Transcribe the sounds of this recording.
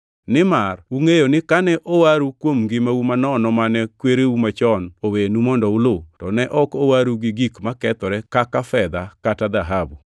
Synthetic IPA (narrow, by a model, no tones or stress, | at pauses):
nɪmaruŋejonɪkanɛʔowaɾukwomɡɪmaumanɔnɔmanɛkweɾeumat͡ʃɔnowenumɔndɔulotɔnɛʔɔkowaɾuɡɪɡikmakɛt̪ɔɾɛkakafɛd̪akatad̪aɦabu